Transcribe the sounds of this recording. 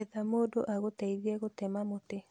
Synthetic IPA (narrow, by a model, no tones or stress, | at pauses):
ɛðamodo̰ʔaɣot̪aiðjɛɣotɛmamotɪ